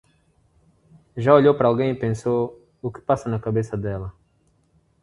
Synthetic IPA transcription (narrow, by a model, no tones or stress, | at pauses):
ʒaoʎowpɐɾɐalˠɡẽj̃ipẽso | ukɪ̥pasɐnɐkɐbesɐd̪ɛlɐ